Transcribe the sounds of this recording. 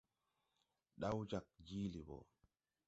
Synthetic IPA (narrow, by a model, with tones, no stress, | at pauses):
ɗa˦wd͡ʒa˨k̚d͡ʒiː˦li˨bo̰˨